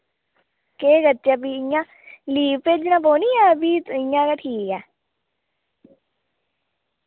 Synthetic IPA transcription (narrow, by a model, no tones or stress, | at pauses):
keːɡət̪ːt͡ʃaːbiɪjãː | liːpːeːd͡ʒɪnãːboːniːaːbiːt̪ɪjãːkaʈʰiːkɛː